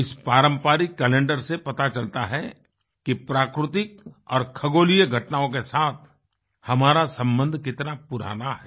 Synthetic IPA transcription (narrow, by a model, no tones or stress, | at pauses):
ɪspaːɾə̃mpaːɾikːɛːlẽːɳɖəɾsepɐt̪at͡ʃɐlt̪aɦɛ | kipɾaːkɾɪt̪ɪk̚ɔ̰ːɾkʰɐɡoːlijəɡʱɐʈnaːõk̬esaːt̪ʰ | hɐmaːɾasɐ̃mbə̃nd̪ʱkɪt̪napʊɾa̰ːnaɦɛː